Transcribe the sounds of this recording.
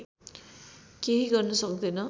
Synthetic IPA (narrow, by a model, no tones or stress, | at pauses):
keɦiɡʌrnʌsʌkd̪ʌnʌ